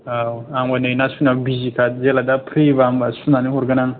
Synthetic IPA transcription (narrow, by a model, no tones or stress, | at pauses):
awaŋanejnasunawbizikʰat̪̚zelad̪apʰɾibambasunaniɦɔɾɡanaŋ